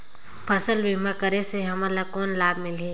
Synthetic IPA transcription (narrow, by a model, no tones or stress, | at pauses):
pʰəsəlbimakəɾeseɦɐmãlakɔːnlaːbmɪle